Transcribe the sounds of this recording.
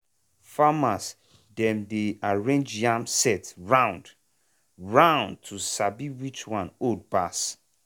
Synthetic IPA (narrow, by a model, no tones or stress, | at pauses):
famas | dɛ̃mdeaɹẽnd͡ʒjãmsɛtɹãʊ̃nd | ɹãʊ̃nd̚tʰusabiwit͡ʃwãnod̚bas